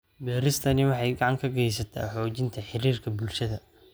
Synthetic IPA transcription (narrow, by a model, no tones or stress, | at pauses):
bɛːɾɪst̪ʰɐnɪwɑħɑjɡɑʕɑŋkʰɐɡɛjsɐt̪ʰa̰ːħɔːt͡ʃɪnt̪ʰɐħɪɾiːrkʰɐbʊlʃɐðɐ